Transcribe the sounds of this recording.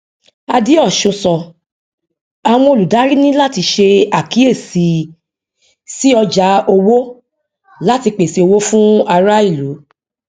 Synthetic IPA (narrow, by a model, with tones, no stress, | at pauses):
a˧di˨˦ɔ˦˨ʃũ˧sɔ˨ | a˧˨w̃ɔ̃˧o˧˨lu˨da˨˦ɾi˦nĩ˦la˦˨ti˧ʃe˧a˨ki˨˦e˦˨si˨ | si˦ɔ˧d͡ʒa˨˦o˧wo˦ | la˦ti˧k͡pe˨se˨˧o˧wo˦fũ˦a˧ɾa˦i˦˨lu˨˦